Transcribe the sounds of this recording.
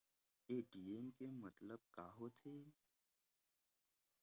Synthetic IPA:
eːʈiːeːmkemət̪ləb̚kaːɦot̪ʰeː

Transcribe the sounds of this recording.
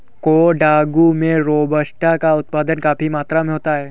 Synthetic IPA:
koɖaːɡumẽɾobəsʈakaʊt̪paːd̪ənkaːpimaːt̪ɾamẽɦoːt̪aɦɛː

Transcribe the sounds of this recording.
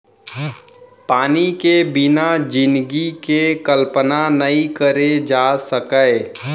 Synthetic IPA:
paːnikebɪnad͡ʒɪnd̪ɡikekəlpənanəĩkəɾed͡ʒaːsəkəe

